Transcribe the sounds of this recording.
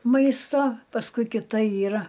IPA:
ˈmɐɪstoː pɐsˈkʊɪ kʲɪˈtɐ ˈiːrɐ

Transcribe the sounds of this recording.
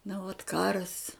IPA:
nɐ ʋɐt ˈkɑːrɐs

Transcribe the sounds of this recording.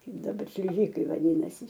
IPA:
ˈkɐɪp dɐˈbɐr ʃʲlʲɪˈʒʲɪkɐɪ ʋɐˈdʲiːnɐsʲɪ

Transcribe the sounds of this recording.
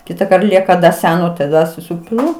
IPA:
ˈkʲɪtɐkɐrt ˈlʲiɛkɐ dɐ ˈsʲæːnoː tɐˈdɐ sʊˈsʲɪpʲɪlˠʊ

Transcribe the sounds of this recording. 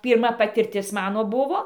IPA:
pʲiːrˈmɐ pɐtʲɪrʲˈtʲɪs ˈmɑːnoː ˈbʊʋoː

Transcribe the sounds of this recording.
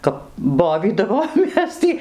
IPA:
ˈkɐp ˈboːʋʲiːdɐʋoːmʲeːs tʲiː

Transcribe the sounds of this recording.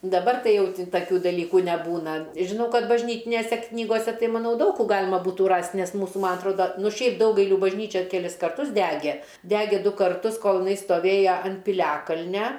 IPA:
dɐˈbɐr ˈtɐɪ ˈjɛʊ tɐˈkʲuː dɐˈlʲiːkuː nʲɛˈbuːnɐ ʒʲɪˈnɐʊ ˈkɐt bɐʒʲˈnʲiːtʲɪnʲeːsʲɛ ˈknʲiːɡoːsʲɛ ˈtɐɪ mɐˈnɐʊ ˈdɐʊk kuː ˈɡɑːlʲɪmɐ ˈbuːtuː ˈrɐsʲtʲ nʲɛs ˈmuːsuː ˈmɐn ɐtˈroːdɐ ˈnʊ ˈʃʲɛɪp ˈdɐʊɡɐɪlʲuː bɐʒʲˈnʲiːt͡ʃʲɛ kʲɛˈlʲɪs kɐrˈtʊs ˈdʲæːɡʲɛ ˈdʲæːɡʲeː ˈdʊ kɐrˈtʊs ˈkoːlˠ jɪˈnɐɪ stoːˈʋʲeːjɛ ɐnt pʲɪˈlʲæːkɐlʲnʲɛ

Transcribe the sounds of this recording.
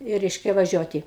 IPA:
ɪ ˈrʲɛɪʃʲkʲɛ ʋɐˈʒʲuɔtʲɪ

